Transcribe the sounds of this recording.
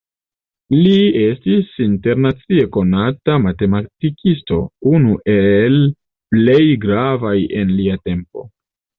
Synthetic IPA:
lie̞stisinte̞ɾnat͡sie̞ko̞natamate̞matikʰisto̞̰unuʔel | ple̞jɡɾavaje̞nliate̞mpo̞̰

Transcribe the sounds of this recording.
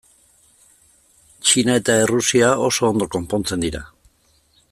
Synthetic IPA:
t͡ʃinae̞t̪ae̞rusiao̞so̞ːnd̪o̞ko̞mpo̞nt͡se̞nd̪iɾa̰

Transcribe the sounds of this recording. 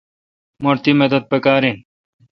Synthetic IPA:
moɾt̪iːmed̪ɐd̪̚pekaːɾĩn

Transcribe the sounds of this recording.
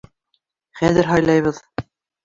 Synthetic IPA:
χæðɘɾɦɑjlˠɑjβɤð

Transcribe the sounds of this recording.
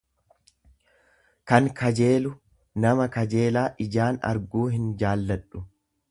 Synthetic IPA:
kɐŋkʰɐd͡ʒe̞ːlʊ | nɐmɐkɐd͡ʒe̞ːlaːʔɪd͡ʒaːnɐ̰ɾɡuːɦɪnd͡ʒaːlːɐᶑʊ

